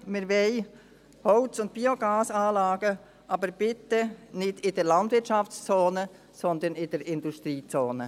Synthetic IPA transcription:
mɪɾvɛɪ | hɔʊt͡sʊnt̚b̥ioɡɑːsaːlɑːɡə | ʔɑbəɾb̥ɪtənɪdɪdɛɾlɑndvɪɾtt͡ʃɑft͡st͡soːnə | sɔnd̪ənɪd̥ɛɾɪnduʃtɾiːt͡soːnə

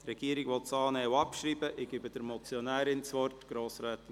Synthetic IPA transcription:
rɛɡ̥iːəɾɪɡʋɔtsɑːnɛːwɑpʃɾiːbəʔɪɡ̥ɪbədəɾmɔt͡sjɔnæːɾɪnt͡sʋɔrtɡ̥ɾoːsɾɛːt

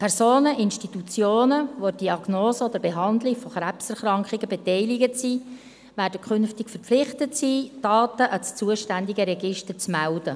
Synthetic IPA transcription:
pʰɛɾsoːnəʔɪnʃtitut͡sjoːnəʋod̥iɑɡnoːsəod̪əɾbeɦɑnd̪lɪɡfɔχɾæpsɛɾχɾɑŋkχɪɡəbɛtɛɪlɪɡəsiː | væːɾdəkχʏnftɪkfəɾpflɪχtətsiːd̥ɑːtəʔɑst͡suəʃtændiɡəɾɛɡɪʃtəɾt͡smæld̥ə

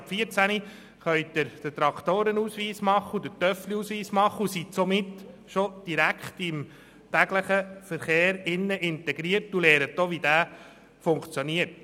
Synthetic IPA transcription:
pfiəɾt͡sæni | χœɥt̚d̥̪əɾd̥̪ət̪ɾɑkt̪oːɾənusʋiːsmɑχːəud̪ət̪œfliusʋiːsmɑχːəusisomɪt̪ʃod̥iɾækχt̪ɪm | t̪æɡ̥ləχəfəɾχeːɾɪnːəʔɪnt̪ɛɡ̥ɾiəɾtuleːɾət̚ːoʋid̥̪æː | fʊŋkt͡sjoniəɾt

